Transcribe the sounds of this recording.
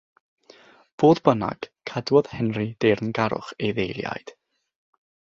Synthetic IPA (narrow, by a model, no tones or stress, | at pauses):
v̥oːðbəna̰ɡ̥kʰadwɔðhɛnrid̥ernɡaɾʊ̰χeðejlˠja̰jd̥